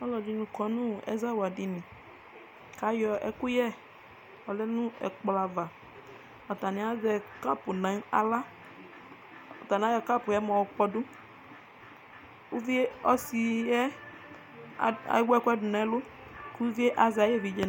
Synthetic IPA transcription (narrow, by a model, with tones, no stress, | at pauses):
ɔ˦lɔ˨d͡ʒi˦nũ˨kɔ˨nũ˦˨ɛ̰˦za˦wa˨di˨nĩ˨ | ka˨˦jɔ˨ʔɛ̰˦ku˦jɛ˦ | ɔ˨lɛ˦nũ˦ɛ̰˨k͡pla˨va˨ | ɔ˨t̪a˨nĩ˨˦a˦zɛ˨ka˦pu˨nã˨˦ŋ˦a̰˨la˦ | ɔ˨t̪a˨n˨a˦jɔ˨ka˦pʊ˨jɛ˦mɔ̃˨wo˨k͡pɔ˨du˦ | u˦vi˦e˦ɔ˦si˨jɛ˦ | a̰˨jwka˦du˨nã˨˦lo˦ | ku˦vi˦e˦ʔa˨za˨je˦˨vi˨d͡ʒɛ˨